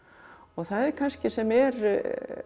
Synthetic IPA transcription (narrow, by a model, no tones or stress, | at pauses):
ɔɣθaðɛɾkʰanscɪsɛmɛɾ